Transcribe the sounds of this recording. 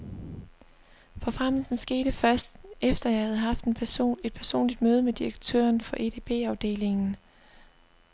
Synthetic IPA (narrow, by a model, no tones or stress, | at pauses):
fɒ̽fʁam̰l̩sn̩sɡ̥e̝ːɾ̥əfɶɐsd̥efd̥ɐjɑ̈ɪhæð̞̩ˠɦɑ̈fd̥enpʰe̝d̥̚pʰæɐso̝̰ːnlid̥møːð̞ˠəmed̥iʁɐɡ̥̚t͡sʰø̰ːɐnfɒ̽ʔe̝t͡sʰe̝b̥e̝̰ːɑ̈ʊd̥e̝̰ːle̝ŋn̩